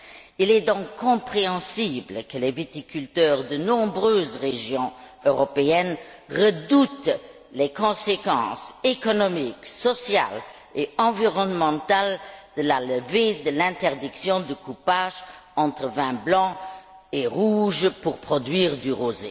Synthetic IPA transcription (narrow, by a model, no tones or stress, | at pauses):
ilɛd̪ɔ̃ŋkʰːɔ̃pχeɑ̃sibləkəlɛvet̪ikʰylt̪œːʁd̪ənɔ̃bʁøːzʁeʒjɔ̃ | øʁɔpeɛn | ʁəd̪ut̪ | lekɔ̃sekɑ̰̃sekɔnɔmiksɔsja̰l | eɑ̃viʁɔnmɑ̃t̪ald̪̥əlaləved̪əlɛ̃t̪ɛʁd̪iksjɔ̃d̪əkupaːʒɑ̃t̪χəvɛ̃blɑ̃ | eʁuʒpuʁpχɔd̪ɥiːʁd̪yʁozḛ